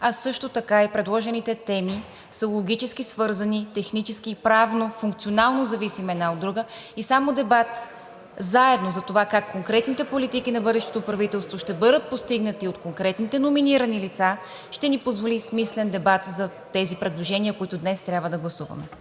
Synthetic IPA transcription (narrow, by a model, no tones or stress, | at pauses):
ɐsɤʃt̪ot̪ɐkaipɾɛd̪lˠɔʒɛnit̪ɛt̪ɛmi | səlˠoɡʲit͡ʃɛsk̟isvɤɾzɐnit̪ɛxnit͡ʃɛskiːpɾavnofuŋk̚t̪sionalˠnozɐvisimɛd̪naod̪ːɾuɡəisamod̪ɛbat̪ | zaɛd̪nozɐt̪ovakakːoŋkɾɛt̪nit̪ɛpolit̪ikinɐbɤd̪ɛʃt̪o̥t̪opɾɐvit̪ɛlˠst̪voʃt̪ɛbɤd̪ət̪̚post̪iɡnət̪iot̪koŋkɾɛt̪nit̪ɛnominiɾənilit̪sa | ʃt̪ɛnipozvolismislɛnd̪ɛbat̪zɐ | t̪ɛzipɾɛd̪lˠoʒɛniəkoit̪ʊd̪nɛst̪ɾʲabvəd̪ɐɡlˠɐsuvɐ̰mɛ